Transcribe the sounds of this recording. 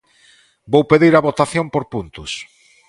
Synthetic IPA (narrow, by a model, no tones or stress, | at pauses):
bowpeðiɾɐβot̪aθjompoɾpunt̪ʊs